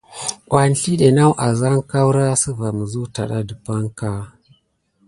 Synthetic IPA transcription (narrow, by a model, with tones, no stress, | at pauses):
ʔʷa˨n˨ɬi˦ɗe˨na˦wʔa˨za˦ŋka˦wɾa˦sə˦va˨mə˨zu˦ta˨ɗa˦də˨pa˦ŋka˦